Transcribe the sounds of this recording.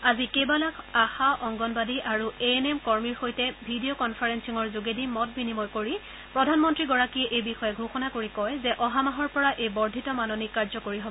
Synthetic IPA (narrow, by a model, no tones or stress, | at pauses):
azikebalakaxaʔɔŋɡɔnbadiʔaɹueenemkɔɹmiɹxojtɛbʱidiokɔnpʰaɹensiŋɔɹzuɡedʱimɔt̚binimɔjkoɹi | pɹɔdʱanmɔntɹiɡɔɹakiɛʔejbixɔjɛɡʱuxɔnakoɹikɔjzɛʔɔɦamaɦɔɹpɔɹaʔejbɔɹdʱitɔmanonikaɹzɔkoɹiɦobɔ